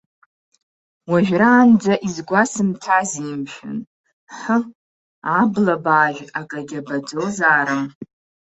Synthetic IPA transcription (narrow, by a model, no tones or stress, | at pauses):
waʒᶣraːnd͡zaʔizɡʷasɨmtʰazimʃᶣɨ̰n | ħə | ablabaːʒᶣaɡʼaɡʲabad͡zozaːɾɨm